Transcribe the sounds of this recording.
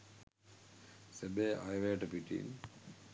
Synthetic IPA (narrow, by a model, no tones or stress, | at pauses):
sebeːʔajʋeːʈəpiʈḭn